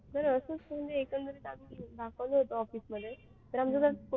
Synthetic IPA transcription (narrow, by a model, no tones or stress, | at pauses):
t̪əɾəsət͡sm̤əɳd͡zeekənd̪əɾit̪amid̪akəʋlɔɦot̪oɔfiːsməd̪ʱːje | t̪əɾamd͡zot̪əɾko